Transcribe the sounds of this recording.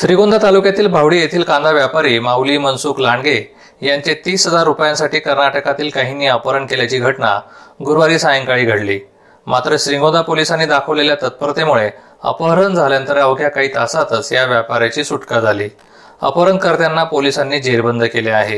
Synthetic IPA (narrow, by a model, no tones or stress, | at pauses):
sɾiɡõnd̪ʱat̪alukjat̪iːlbʱaʋɽiːjet̪ʰiːlkãnd̪aʋjapaɾiːmawliːmənsuːklaɳɡe | jaɲt͡ɕet̪iːsɦəd͡zaɾːupjãnsaʈiːkəɾnaʈəkat̪iːlkaɦiniːəpəɾəɳkeljat͡ɕiːɡʱəʈɳa̰ɡuɾʋaɾiːsajəŋkaɭiːɡʱəɽliː | mat̪ɾəɕɾiŋɡõd̪apolisanːiːd̪akʰəʋleljat̪ət̪̚pəɾt̪emuɭe | ə̰pəɾənd͡zʱaljant̪əɾəʋɡjakaɦiːt̪asat̪əsjaʋjapaɾjat͡ɕiːsuʈkad͡zʱaliː | ə̰pəɾənkəɾt̪janːapolisanːiːd͡ʑeɾbənd̪ʱkeleaɦe